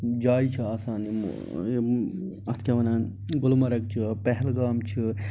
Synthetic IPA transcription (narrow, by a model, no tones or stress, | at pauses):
d͡ʒaːit͡ʃʰiaːsaːnḭ | ɐt̪ʰkʲɐʋɐnaːn | ɡʊlmɐɾɐkt͡ʃʰipɛɦɛlɡaːmt͡ʃʰi